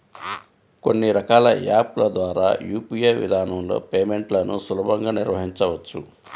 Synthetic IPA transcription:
ko̞nːiɾɐkaːlɐ̰jaːpulɐd̪ʋaːɾaːjuːpijeʋḭd̪ʱaːnɐmlo̞̰ːpeːme̞ɳʈlɐnusulubɐŋɡaːniɾʋɐɦiɲt͡ʃɐʋɐt͡ʃːu

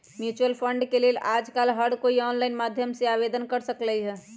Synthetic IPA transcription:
mjut͡ʃuəlpʰəɳɖkelelad͡ʒkaːlɦəɽkoiɔnlaɪnmad̪ʱjəmseabed̪ənkəɾsəkləjɦɛ

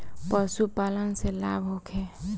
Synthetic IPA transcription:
pəsupaːlənselaːbʱɦokʰeː

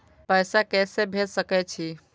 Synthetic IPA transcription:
pəɪsakɛːsebʱelsəkɛt͡ʃʰi

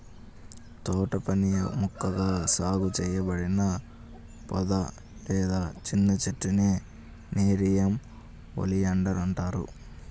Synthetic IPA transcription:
t̪ɔːʈɐpɐnḭmukːɐɡaːsaːɡut͡ʃɛːjɐbɐɽinɐ | pɔd̪ɐ | lɛːd̪aːt͡ʃinːɐt͡ʃeʈːineː | neːɾijɐm | o̰lijɐɳɖɐɾɐɳʈaːɾṵ

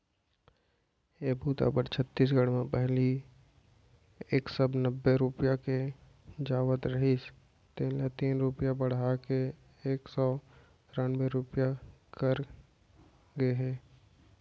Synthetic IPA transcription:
eːbuːt̪a̰ːbəɾt͡ʃʰət̪ːiːs̬ɡəɽmẽpɛɦli | eːksəbnəbːeɾʊpjake | d͡ʒaːʋət̪ɾɐɦit͡ʃ | t̪eːlet̪iːnɾʊpjabəɽ̤ake | eːksɔː | ɾanbeɾʊpjakəɾ | ɡəeɦɛ̃ː

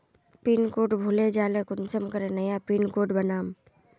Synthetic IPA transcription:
piːnkoːʈbʱuled͡ʒaːlekʊnsəmkəɾẽnəjapiːnkoːʈbənaːm

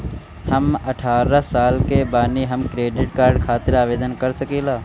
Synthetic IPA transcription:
hɐmɐʈʰaːɾəsaːlkebaːniɦɐmkɾeːɖɪʈkaːɾɖ̚kʰaːt̪ɪɾaːʋeːd̪ənkɐɾsɐkiːlaː

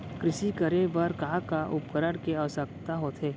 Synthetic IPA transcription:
kɾɪʃikəɾebəɾkaːkaʔʊpəɾəɽkeəʋəsək̚t̪aɦoːt̪ʰɦeː

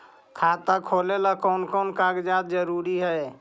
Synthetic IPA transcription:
kʰat̪akʰolelakɔnkɔnkaɡd͡ʒad̪̚d͡ʒəɾuɾiɦəj

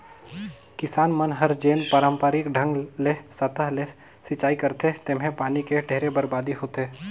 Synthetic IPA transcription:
kɪsaːnmənɦɐɾd͡ʒeːnpaːɾə̃mpəɾɪkɖʱə̃ŋɡlesət̪əɦle | sɪt͡ʃaːikɐɾt̪et̪emɦẽpaːnikeɖʱeːɾebəɾbaːd̪iɦoːt̪e

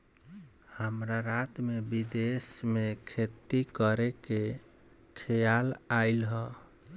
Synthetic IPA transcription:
həmɾaɾat̪mebid̪esmekʰet̪ikəɾeke | kʰɛjalaɪlɦə

